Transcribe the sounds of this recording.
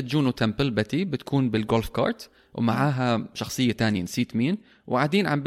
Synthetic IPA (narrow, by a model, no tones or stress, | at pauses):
at̪d͡ʒuːnut̪ʰampɪlbat̪ibɪt̪ḁkʰuːnbɪlɡolfkɑ̰ːɾˤt̪ | wɪ̰maʕaːɦaʃɑxsˤɨjːat̪aːnɪjansiːt̪miːn | wʕaːd̪iːnʕamb